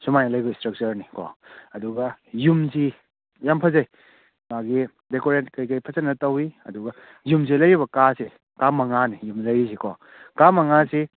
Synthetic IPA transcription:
sumajnɐlɐjbɐstɾɐk̚t͡ʃɐɾnikʰɔ̰ɐduɡɐjumzi | jampʰɐzɐj | maɡi | dekoɾent̚kɐjkɐjpʰɐt͡ʃɐnːɐtɐwiɐ̰duɡɐ | jumz̬elɐjɾiβɐkase | kamɐŋanijumlɐjisikʰɔ | kamɐŋase

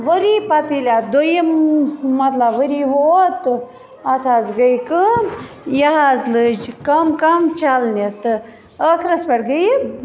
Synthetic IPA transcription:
ʋəɾipɐt̪ilʲad̪ojimmɐt̪lɐbʋəɾiʋot̪ | ɐt̪ʰazɡɐjkəm | jɐɦazlɨd͡ʒkɐmkɐmt͡ʃalnʲet̪ɨ | əkʰɾɐspɐʈɡəji

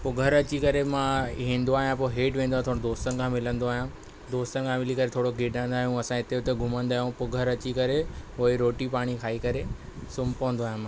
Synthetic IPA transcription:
pʊɡʱəɾɐt͡ɕikɐɾemãɦĩːnd̪oaːɦijãp̬oɦeːʈʋẽːnd̪oãt̪ʰoːɽ̃d̪oːst̪ən̆kʰãːmɪlə̃nd̪oaːɦijã | d̪oːst̪ənkʰãmɪlikɐɾet̪ʰoːɽoɡʱɪɖə̃n̆d̪aːɦijũɐsãɪt̪eʊt̪eɡʱʊmə̃nd̪aːɦjũpʊɡʱəɾɐt͡ɕikɐɾeʊɦeɾoːʈipaːɽ̃ikʰaːikɐɾe | sʊmpɐʋə̃n̆d̪oaːɦjãmã

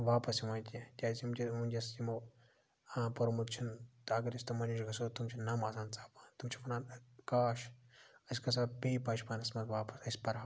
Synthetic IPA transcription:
ʋaːpɐsimaːnt̪ʲit̪ʲaːsit͡ʃʰʲimunʲd͡ʒʲɐsimo | pɐɾmut̪̚t͡ʃʰunt̪ɐɐɡɐɾɐsʲt̪omɐniʃɡɐsot̪umt͡ʃʰinɐmaːsaːnt͡saːpḁt̪umt͡ʃʰi̥fʰɐnaːnkaːʃɐsʲkɐs̬apiːpɐːʃʰʲpɐnɐsmɐt̪ʋaːpɐ̥sɐsʲpɐɾɦ

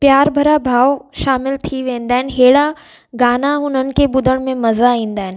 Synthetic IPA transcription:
pjaːɾbʱɐɾabʱaːoʃaːmɪlt̪ʰiʋẽːn̆d̪aːɦɪnɪ̆ɦeːɽa | ɡaːnaɦʊnənɪ̆kʰeɓʊd̪ʱəɽ̃mẽmɐzaĩːn̆d̪aːɦɪnɪ

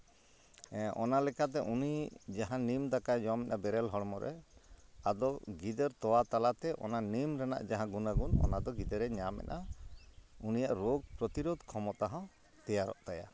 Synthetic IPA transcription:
ʔɔnalɛkat̪̬ɛʔunid͡ʒaɦãnimd̪akad͡ʒɔmɛnʔabɛɾɛlɦɔɽmɔɾʔɛ̰ | ad̪ɔɡid̪ɛɾt̪ɔwat̪alat̪ɛʔɔ̰nanimɾɛna̰ʔd͡ʒaɦãɡunaɡunɔ̰nad̪ɔɡid̪ɛɾɛɲamɛ̰na | unijaʔɾoɡ̚pɾɔt̪iɾod̪kʰɔmɔt̪aɦɔ̃ | t̪ɛjaɾɔ̰ʔt̪aja̰

